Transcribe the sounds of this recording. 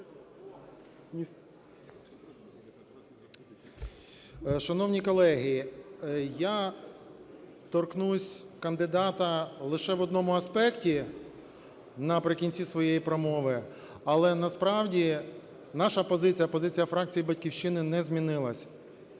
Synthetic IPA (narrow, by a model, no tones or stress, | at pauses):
ʃɐnɔwnʲikɔlˠɛɦi | ja | t̪ɔrknusʲkɐnd̪ɪd̪ɑt̪ɐlˠɪʃɛʋɔd̪nɔmʊɐspɛktʲi | nɐpɾɪkʲinʲt͡sʲisʋɔjejipɾɔmɔʋɪ | ɐlˠɛnɐspɾɑwdʲi | nɑʃɐpɔzɪt͡sʲijɐpɔzɪt͡sʲijɐfɾɑk̚t͡sʲijibɐtʲkʲiwʃt͡ʃɪnɪnɛzʲmʲinɪlˠɐsʲ